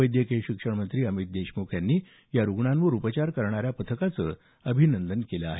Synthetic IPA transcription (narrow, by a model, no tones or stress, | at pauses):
əjd̪jəkeɕikʂəɳmənt̪ɾiːəmit̪̚d̪eɕmokʰjanːiː | jaɾuɡɳãnʋəɾupət͡ɕaɾkəɾɳaɾjapət̪ʰəkat͡sə | əbʱinənd̪ənkeləa̰ɦe